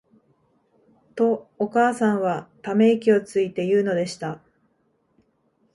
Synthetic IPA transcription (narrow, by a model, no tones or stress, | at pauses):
t̪o̞ːkaːsãɰ̃βat̪ame̞ikʲio̞t͡sɨit̪e̞jɯ̟ːno̞d̪e̞ɕi̥t̪a